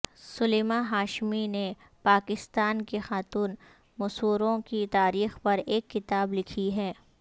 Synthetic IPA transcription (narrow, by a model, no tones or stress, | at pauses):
sʊleːmaɦaːʃmine | paːkɪst̪aːnkexaːt̪uːn | mʊsuːɾõkit̪aːɾiːxpɐɾeːkːɪt̪aːblɪkʰiɦɛː